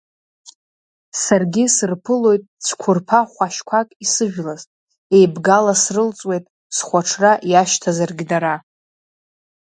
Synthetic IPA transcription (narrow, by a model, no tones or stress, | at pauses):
sarɡʲisɨrpʰɨlo̞jtʼsʰʷkʷʰʊrpʰaχʷaʃkʷʰakʼisɨʒᶣlaztʼ | e̞jbɡalasrɨlt͡sʼwe̞jtʼ | sχʷaʈ͡ʂʰraʔjaʃtʰazarɡʲidaɾa